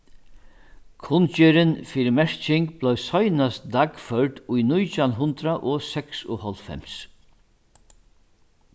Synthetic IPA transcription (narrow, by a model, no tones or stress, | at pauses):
kʰʊnt͡ʃɛɾɪnfiːɾɪmɛɹt͡ʃɪŋk̚b̥lɔjsɔjnast̪d̪akfœɹt̪ʊjnʊjt͡ʃanɦʊnt̪ɾaʔɔsɛksʊ̰hɔlt̪fɛ̰ms